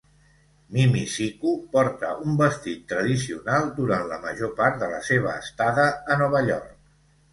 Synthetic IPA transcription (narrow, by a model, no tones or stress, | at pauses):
mimisikupɔɾt̪əʔumbəst̪it̪ːɾəðisiunalˠd̪uɾant̪ləməʒopaɾt̪̚d̪ələ̰seβ̞əːst̪aðəːnɔβ̞əʎɔ̰rk̚